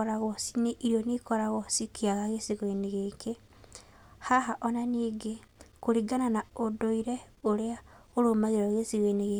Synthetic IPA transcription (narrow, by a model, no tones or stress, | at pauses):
ɔɾaɣɔsineʔiɾjɔnikɔɾaɣɔsikeaɣaɣesiɣweneɣeːɡe | haɦaʔɔnaniːɡekoɾiɡananaodoiɾɛ | oɾea | oɾomaðeɾɔɣesiɣeneɣe